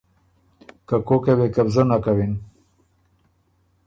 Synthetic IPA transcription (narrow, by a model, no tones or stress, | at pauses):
kakokewekabzənakawin